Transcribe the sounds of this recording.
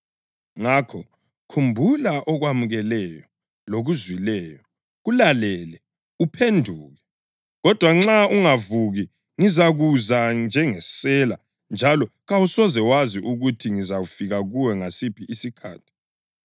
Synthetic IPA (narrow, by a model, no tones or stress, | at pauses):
ŋakʰɔ | kʰumbʱulaʔɔɣwamuɣɛlɛjɔ | loɣuzwilɛːjɔ | ɣulalɛːlɛ | upʰendʱuːɣɛ | ɣɔd̥ʱwaŋ͡ǁauŋavuɣi | ŋizaɣuzand͡ʒʱɛŋɛsɛla̰ | nd͡ʒʱalɔɣawusɔzɛwaziʔuɣutʰiŋizaɣufiɣaɣuwɛŋasib̥ʰʱiʔisikʰa̰ːtʰi̥